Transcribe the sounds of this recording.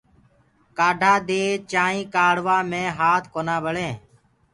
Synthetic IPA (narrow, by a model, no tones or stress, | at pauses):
kaːɖʱaːd̪eːt͡ʃaːĩːkaːɽʋaːmẽːɦaːt̪ʰkoːnãːbəɭẽː